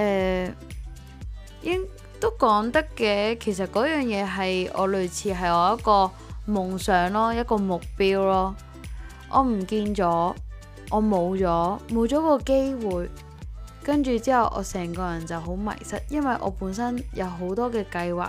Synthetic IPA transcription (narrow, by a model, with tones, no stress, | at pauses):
ʔɛː˨ | jɪ˥ŋ | t̪o˥wkɔː˨˥ŋt̪ɐ˥kːɛː˧kʰe˨˩js̬ɐ˨t̚kɔː˨˥jœː˨˩ŋjɛː˨˧ɦɐ˨jɔ̰ː˨˧lɵ˨ɥt͡sʰiː˨˧ɦɐ˨jɔː˨˧jɐ˥t̚kɔː˧ | mʊ˨˩ŋsœː˨˧ŋlɔː˥jɐ˥t̚kɔː˧mʊ˨k̚piː˥wlɔː˥ | ʔɔ̰ː˨˧m̩˨˩kiː˧nt͡sɔː˨˥ | ʔɔː˨˧mo˨˧wt͡sɔː˨˥mo˨wt͡sɔː˨˥kɔː˧ke˥jwuː˨j | kɐ˥nt͡ʃyː˨˧t͡siː˥hɐ˨wʔɔ̰ː˨˧sɛː˨˩ŋkɔː˧jɐ˨˩nt͡sɐ˨˩wɦo˨˥wmɐ̰˨˩jsɐ̰˥t̚jɐ˥nwɐ˨jʔɔ̰ː˨˧puː˨˥nsɐ˥njɐ˨˧wɦo˨˥wt̪ɔː˥kɛː˧kɐ˧jwa̰ː˨